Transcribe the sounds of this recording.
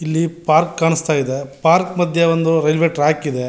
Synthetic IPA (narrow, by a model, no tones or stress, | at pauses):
ilːipaːɾkːaːɳist̪aːjid̪epaːɾkmɐd̪ʱjeʋond̪uɾelʋeːʈɾaːkid̪e